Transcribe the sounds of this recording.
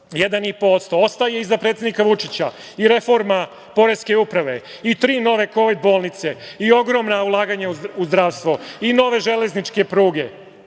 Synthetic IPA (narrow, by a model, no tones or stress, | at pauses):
jed̪anipo̞ːst̪oost̪aje̞izapɾet̪sed̪nikaʋut͡ʂit͡ɕa | iɾe̞fo̞ɾma | po̞ɾe̞ske̞upɾaʋe̞it̪ɾiːno̞ʋe̞ko̞ʋid̪̚bo̞ːlˠnit̪se̞io̞ɡɾo̞mnaulˠaːɡaɲauuzd̪ɾaːʋst̪ʋoino̞ʋe̞ʒele̞znit͡ʃke̞pɾuːɡe̞